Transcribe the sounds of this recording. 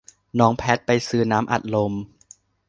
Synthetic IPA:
nɔː˦˥ŋpʰɛː˦˥t̪̚pa˧jsɯː˧naː˦˥mʔa̰˨˩t̪̚lo˧m

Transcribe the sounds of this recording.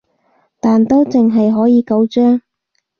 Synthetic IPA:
t̪aː˨nt̪o˥wt͡sɪ˨˩ŋɦɐ˨jɦɔː˨˥jiː˨˧kɐ˨˥wt͡ʃœː˥ŋ

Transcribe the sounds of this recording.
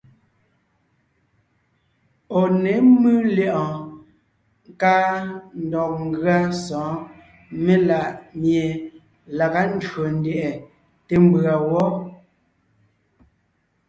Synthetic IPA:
o˨ne˨˦mɨ˦ljɛ˦ʔɔ̃˨ | ŋ˦ka˦n̩˦dɔ˨k̚ŋ̩˦ɡɰa˦sɔ̃ː˨˦ | me˦la˨ʔmje˨ | la˨ka˦n̩˦dɰo˨n̩˦dɛ˨ʔɛ˨ | te˨m˦bɰa˨wɔ˦

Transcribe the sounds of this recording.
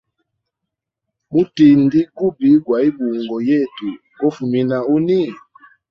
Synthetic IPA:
mu˦ti˨n˦di˦ɡu˦bi˨˦ɡwa˨i˦bu˨ŋɡɔ˨jɛ˦˨tu˨ | kɔ˦fu˨mi˦na˨u˦ni˦

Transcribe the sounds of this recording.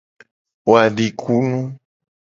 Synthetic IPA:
wo˨a˨ɖi˨kʰu˦nũ˦

